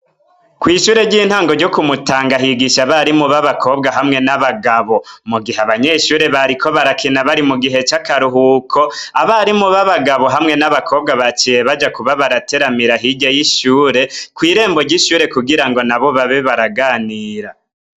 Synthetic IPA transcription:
kwiːʃuːɾe̞ɟiːn̥haːŋɡo̞ɾɟokumutaːŋɡaɦiɡiʃaβaɾimuβaβakʰo̞ːbɡaɦamŋe̞naβaɡaβo̞muɡiheaβaɲe̞ʃuːɾe̞βaɾikʰo̞βaɾakʰinaβaɾimuɡiɦe̞t͡ʃakaɾuɦukʰo̞aβaɾimuβaβaɡaβo̞ɦamŋe̞naβakʰo̞ːb̚ɡaβat͡ʃijeβad͡ʒakuβaβaɾate̞ɾamiɾaɦiɟejiʃuːɾe̞kwiːɾe̞ːmbo̞ɾɟiʃuːɾe̞kuɡiɾaŋɡo̞naβo̞βaβeβaɾaɡaːniːɾa

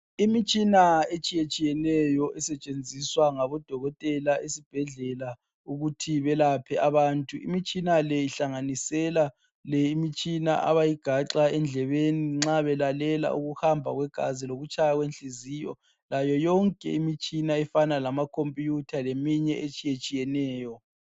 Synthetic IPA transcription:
imit͡ʃʼinaet͡ʃʼijet͡ʃʼijɛnɛjɔʔɛsɛt͡ʃʼend͡zʱiswaŋaβɔd̥ʱɔɣɔtʼɛlaesib̥ʱɛɮɛla | uɣutʰiβɛlapʰɛaβaːntʼuḭmit͡ʃʼinalɛiɬaŋanisɛla | lɛimit͡ʃʼina̰ʔa̰βajiɡ̥ʱaǁaɛnd͡ɮʱɛβeniŋ͡ǁaβɛlalɛla̰ʔuɣuhambʱaɣwɛɡ̥ʱa̰ziloɣut͡ʃʰʼajaɣwenɬiziːjɔ̰ | lajɔjɔŋkʼɛ̰imit͡ʃʼinaɛfanalamakʰompʼijutʰalemiɲɛʔet͡ʃʼijet͡ʃʼijɛnɛːjɔ

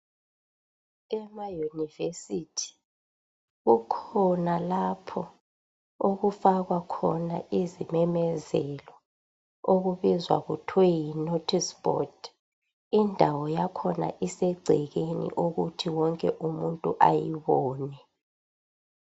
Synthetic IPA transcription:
ɛmajunivesitʰi̥ | ɣukʰɔnalapʰɔ | oɣufaɣwakʰɔna̰ʔizimɛmɛzɛlɔ | oɣuβizwa̰ɣutʰwɛjinotʰispʼɔ̰d | indʱawɔjakʰɔna̰ʔisɛɡ͡ǀʱɛɣenḭʔoɣutʰiwɔŋkʼɛʔumuntʼuʔajiβɔːnɛ

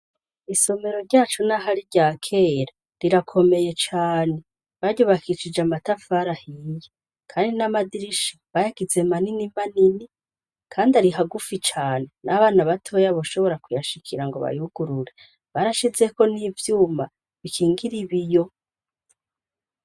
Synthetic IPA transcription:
iso̞me̞ɾo̞ɾɟaːt͡ʃonaɦaɾiɾɟaːkʰe̞ːɾa | ɾiɾakʰo̞me̞je̞t͡ʃaːne̞ | βaɾɟo̞βakʰit͡ʃid͡ʒamatafaɾahije | kʰaːndinamadiɾiʃiβajaɡ̥ize̞maninimanini | kʰaːndaɾiɦaɡufit͡ʃaːnenaβaːnaβatʰo̞jaβoʃo̞βo̞ɾakujaʃikʰiɾaŋɡo̞βa̰juɡ̥uɾuɾe̞ | βaɾaʃize̞ko̞nivjuːma | βikʰiːŋɡiɾiβijo̞

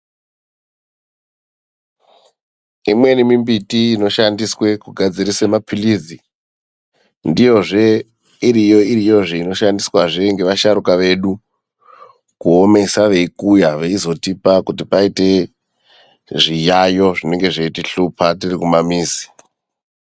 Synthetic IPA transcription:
imwe̞nimimbitiːno̞ʃandiswe̞kuɡʱad͡ziɾise̞mapʰilid͡zi | ndijo̞ʐe̞ | iɾijo̞iɾijo̞ʐeino̞ʃandiswaʐe̞ŋɡe̞ʋaʃaɾukaʋe̞ɗu | kuo̞me̞saʋe̞ikujaʋeizo̞tipakutipaite̞ | ʐijajo̞ʐine̞ŋɡe̞ʐeitiɬupʰatirikumamiːzi̥

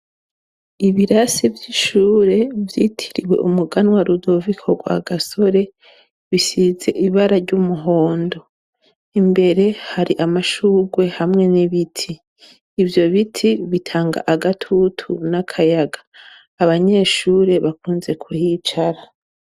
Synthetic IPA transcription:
iβiɾasivjiʃuːɾe̞vjitʰiɾiwe̞̰ʔṵmuɡanwaɾudo̞vikʰoɡwa̰ɡaso̞ɾe̞ | βisize̞̰ʔiβaɾaɾɟumuɦo̞ːndo̞ | imbe̞ɾe̞haɾiʔamaʃuːɡwe̞hamŋe̞niβitʰiː | vjo̞βitʰiβitʰaːŋɡa̰ʔaɡatʰutʰunakʰajaɡḁː | βaɲe̞ːʃuːɾe̞βakuːnze̞kʰuhit͡ʃaɾa

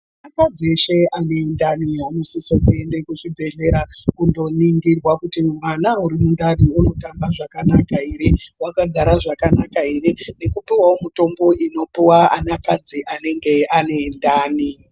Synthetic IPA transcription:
aanakad͡zieʃe̞ʔane̞ːndaniɦano̞sisakue̞ndekuʐibʱe̞ɮe̞ɾakundo̞niŋɡirwakutimwanauɾimundariuno̞tambaʐakanakaiɾewakaɡʱaɾaʐakanakaeɾene̞kupiwawomito̞mbo̞ʔino̞piwaa̰nakad͡ziʔane̞ŋɡe̞ane̞ːndaːni

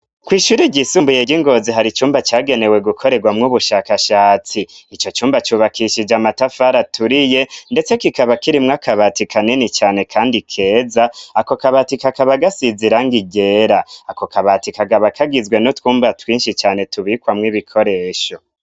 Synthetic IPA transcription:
kwiːʃuːɾiɟisuːmbujeɟiŋɡo̞ziɦaɾit͡ʃuːmbat͡ʃaːɡe̞ne̞we̞ɡukʰo̞ɾe̞ɡwamŋuβuʃaːkaʃaːt͡siːt͡ʃo̞t͡ʃuːmbat͡ʃuβakʰiʃid͡ʒamatafaɾatuɾije̞nde̞t͡se̞kikaβakiɾimŋakʰaβatikʰanenit͡ʃaːne̞kʰaːndikʰe̞ːzaːko̞kaβatikakaβaɡasiziɾaŋɡiɟe̞ɾaːko̞kaβatikaɡaβakʰaɡizɡwe̞notwuːmbatwiːnʃit͡ʃaːne̞tuβiːkwamŋiβikʰo̞ɾe̞ːʃo̞

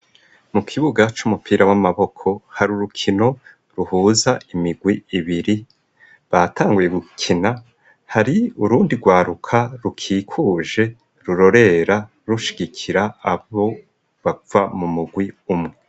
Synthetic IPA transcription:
mukʰiβuɡat͡ʃumupʰiːɾawamaβo̞kʰo̞haɾuɾukʰino̞ | ɾuhuːzaimiɡwiiβiɾi | βatʰaːŋɡuje̞ɡukʰina | haɾiuɾuːndiɡwaːɾukʰaɾukʰiːkʰuːʒe̞ | ɾuɾo̞ɾe̞ɾa | ɾuʃi̥ɡikʰiɾaːβo̞ | βavamumuɡwiumŋe̞

